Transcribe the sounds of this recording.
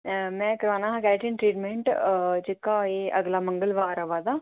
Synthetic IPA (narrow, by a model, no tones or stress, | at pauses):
mɛ̃ːkəɾoːnaːɦkɛːʈɪ̃nʈɾiːʈmẽɳʈd͡ʒɪkːaːeːʔəɡlaːməŋɡəlʋaːɾəʋaːd̪aː